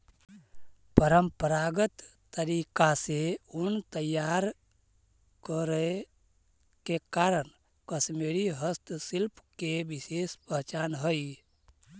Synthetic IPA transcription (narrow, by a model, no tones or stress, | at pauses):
pəɾəmpəɾaɡət̪ː | əɾikaseunt̪əjaɾ | kəɾə | kekaɾən | kəsmeɾiɦəst̪silpkebisespəɦt͡ʃanɦəj